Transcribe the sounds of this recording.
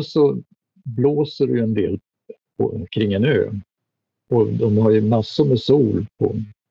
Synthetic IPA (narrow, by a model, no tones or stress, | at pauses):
sɔ | bloːsəɾɵjɛnd̪ḛːl | pʰɔ̰kʰɾɪŋːɛnø̰ː | ʔɔd̪ɔmhaɾjɵmasːʊɾmɛsuːlpʰɔ̰